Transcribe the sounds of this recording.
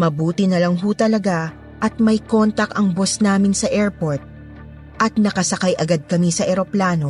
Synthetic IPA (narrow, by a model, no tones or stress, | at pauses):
mɐbuːt̪ɪnɐlɐŋɦut̪ɐlɐɡa | ʔɐt̪̚mɐjko̞nt̪ɐkɐŋbosnaːmɪnsɐʔɛɹpoɹt̪̚ | ʔɐt̪̚nɐkɐsɐkajʔɐɡad̪̚kɐmisɐʔɛɾo̞plaːno̞